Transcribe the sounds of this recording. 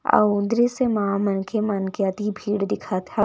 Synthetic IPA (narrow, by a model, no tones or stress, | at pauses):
a̰ũnd̪ɾisemaamɐnkʰemənkeat̪ibʱiːɽd̪ɪkʰat̪ʰa